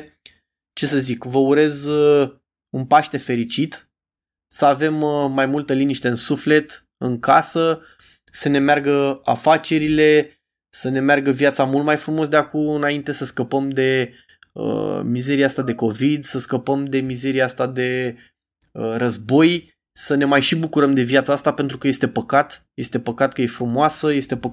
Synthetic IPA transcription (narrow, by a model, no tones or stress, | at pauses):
t͡ʃe̞səzikvəuɾe̞z | unpaʃt̪e̞fe̞ɾit͡ʃit̪ | səave̞mːajmult̪əliniʃt̪e̞ɨnsufle̞t̪ | ɨŋkasə | səne̞mearɡəa̰fat͡ʃe̞ɾile̞ | səne̞mearɡəvjat̪samult̪̚majfɾumo̞sd̪eakuɨnaint̪e̞səskəpəmd̪e̞ | ə̰mize̞ɾieast̪ad̪e̞ko̞vid̪səskəpəmd̪e̞mize̞ɾieast̪ad̪e̞ | əɾəzbo̞j | səne̞majʃibukuɾəmd̪e̞vijat̪saast̪ape̞n̪t̪ɾukəje̞st̪e̞pəkat̪je̞st̪e̞pəkat̪̚kəje̞fɾumoasəje̞st̪e̞pə